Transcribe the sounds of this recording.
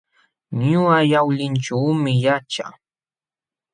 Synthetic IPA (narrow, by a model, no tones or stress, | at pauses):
ɲʊajawʎɪnt͡ʃawmɪjat͡ʃa̰